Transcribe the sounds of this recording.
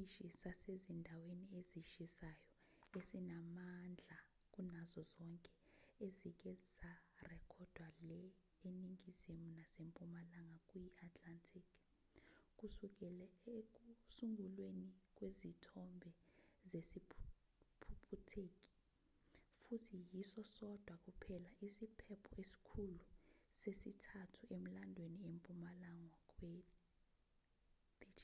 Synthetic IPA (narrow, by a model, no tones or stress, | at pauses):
iʃisasezindʱawenieziʃisajɔ | esinamand͡ɮʱakʼunazɔzɔŋkʼɛ | ezik̬ʼɛzisarɛkʰɔd̥ʱwalɛ | eniŋɡizimunasempʼumalaŋɡakʼujiʔatʰʼlantʰikʰ | kʼusuk̬ʼɛlɛek̬ʼusuŋɡʱulwenik̬ʼwezitʰɔmbʱɛzesipʰ | pʰupʰutʰeːk̬ʼi̥ | futʰijisɔsɔd̥ʱwakʼupʰɛlaʔisipʰɛpʰɔesi̥kʰulusesitʰatʰuʔem̩landʱweniempʼumalaŋwakʼwe | b̥i